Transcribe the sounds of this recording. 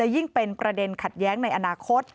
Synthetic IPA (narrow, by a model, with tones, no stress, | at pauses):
a˨˩ji˥˩ŋpe˧npɾa˧de˧nkʰa˨˩t̪̚jɛː˦˥ŋna˧jʔa˧naː˧kʰo˦˥t̪̚